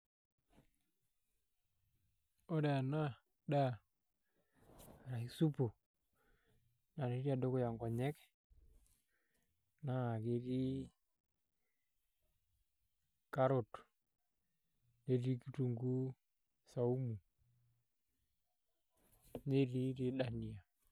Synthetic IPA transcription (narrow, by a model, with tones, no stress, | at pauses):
o˦ɾe˨a˨na˦ | da˦˨ | ɾa˨i˦su˦pu˨ | na˨ne˦ɾi˦a˨do˦kʊ˦ja˨ŋɡɔ˨ɲɛ˦k | na˦˨ke˨ɾi˦ | ka˦ɾo˨t | ne˦ɾi˦ki˦tu˨ŋɡu˦ | sa˨u˦mu˨ | ne˦ɾi˦ɾi˦ɗa˨ni˨a˨